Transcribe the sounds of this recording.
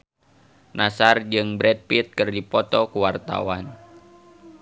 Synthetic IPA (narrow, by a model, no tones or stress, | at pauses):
nasard͡ʒɨŋbɾɛd̚pit̪̚kɨrdipɔt̪ɔkuwart̪a̰wan